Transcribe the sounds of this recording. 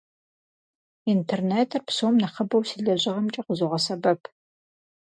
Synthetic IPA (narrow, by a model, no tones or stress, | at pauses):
intʰerneːtʰɨrpsomnɐχɐbɐwsiːɮɐʑɪʁɐmt͡ʃʼɐqʷʊzoʁɐsɐbɐpʰ